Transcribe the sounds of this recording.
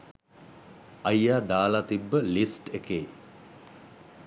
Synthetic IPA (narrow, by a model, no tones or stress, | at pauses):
ɐjːaːd̪aːlat̪ibːəlisʈekeː